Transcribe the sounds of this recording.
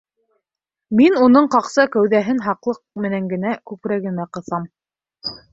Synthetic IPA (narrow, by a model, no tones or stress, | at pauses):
minunɤɴqɑqsɑkæwðæɦɘnɦɑqlˠɤq̚mɘ̆næŋɡɘ̆nækʉpɾæɡɘ̆mæqɤ̆θɑm